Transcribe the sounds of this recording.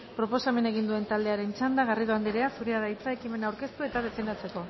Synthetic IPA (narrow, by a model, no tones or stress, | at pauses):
pɾo̞po̞same̞ne̞ɣ̞ind̪ue̞nt̪ald̪e̞aɾe̞nt͡ʃand̪aɣariðoand̪iɾeasuɾeaðajt͡sae̞kime̞nawɾke̞st̪ue̞t̪að̞e̞fe̞nd̪at͡se̞ko̞